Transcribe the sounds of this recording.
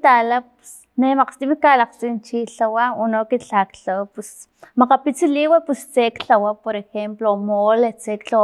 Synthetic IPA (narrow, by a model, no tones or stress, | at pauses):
t̪alapu̥s | nemaqst̪imikalaqt͡sint͡ʃiɬawaonokit͡ɬakɬawapus | maqapit͡siliwapust͡sekɬawapoɾexemplomolet͡sekt͡ɬa